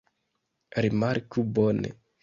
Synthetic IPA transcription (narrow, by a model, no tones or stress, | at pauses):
ɾimaɾkubɔnḛ